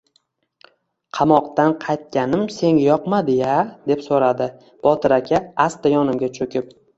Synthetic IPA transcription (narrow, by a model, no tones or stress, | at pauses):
qʰɑmɒqt̪anqʰɑjt̪̚kʲanɪmse̞ŋjɒqmad̪ɪjad̪e̞psoɾad̪ɪ | b̥ɒt̪ʰɪɾakʲʰaast̪ajɒnɪmɡʲat͡ʃʰɵkʲʰɪp̚